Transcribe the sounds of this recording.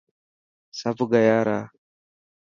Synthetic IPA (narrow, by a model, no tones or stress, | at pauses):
safuɡajaɾa